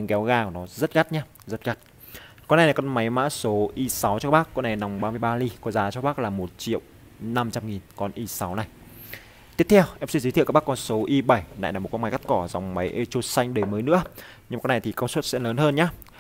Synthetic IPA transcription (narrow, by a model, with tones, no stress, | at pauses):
ɲɨ˨˦ŋkɛ˨˦wɣaː˧˩knɔ˨˦zə˦˥t̚ɣa˦˥t̚ɲaː˧ | zə˦˥t̚ɣa˦˥t̚ | kɔ˧na˨˩jna˨˩kɔ˨˧nma˨˦jma̰ː˧˥so˨˦ʔi˧sa˨˦wt͡ɕɔ˧˦˥ɓaː˦˥kːɔ˧na˨˩jna˨˩wŋ͡mɓaː˧mɨ˧əjɓaː˧li˧kɔ˨˧˦zaː˨˦t͡ɕɔ˧˦ɓaː˦˥k̚laː˨˩mo˨˩t̚t͡ɕḭ˧˨ə˨w | na˧mt͡ɕa˧mŋi˨˩nkɔ˧nʔi˧sa˨˦wna˨˩j | t̪i˦˥əpt̪ʰɛ˧wʔɛ˧˥psi˧zt̪ʰḭ˧˨k̚ːkɔ˧nso˨˦ʔi˧ɓa˧˩jna̰˧˨jnaː˨˩m̚˨˩kɔ˧nma˨˦ɣa˦˥t̚kɔ˧˩za˨˩wŋ͡mma˨˦jʔe˧t͡ɕo˧˩sa˧jŋ̟ɗə˨˩jməː˨˦jnɨ̰˧˥ə | ɲɨ˧m˨˧na˨˩jt̪i˨˩kə˧wswt̚sɛ̰˧˥ləː˨˦nhəː˧nɲaː˧˦